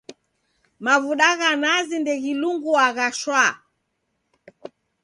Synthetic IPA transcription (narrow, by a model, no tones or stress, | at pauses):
mavuɗaɣanazindɛɣiluŋɡuaɣaʃwa